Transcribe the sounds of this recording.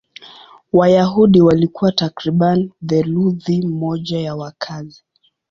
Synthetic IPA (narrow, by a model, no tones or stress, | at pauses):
wajaɦuɗiwalikuwatakɾiɓanðɛluðimɔʄajawakʰazi